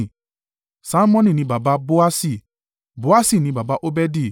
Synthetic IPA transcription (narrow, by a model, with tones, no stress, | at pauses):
sa˦mɔ̃˦nĩ˨nĩ˨˦ba˨ba˧bo˦a˦si˦˨ | bo˦a˦si˦˨nĩ˧˦ba˨ba˧˦ʔo˦bɛ˦di˦˨